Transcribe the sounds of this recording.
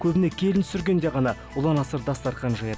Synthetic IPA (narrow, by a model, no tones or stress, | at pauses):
kʲʰɵbɪne̞kʲʰe̞lɪnt̪ʰʏ̥sɪɾɡʲe̞nd̪e̞ʁɑnɑwolˠɑnɑsəɾd̪ɑst̪ɑɾt̪qɑnʒɑjɑd̪